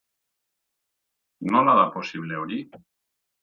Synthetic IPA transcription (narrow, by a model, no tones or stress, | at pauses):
nonaðaposiβ̞leoɾi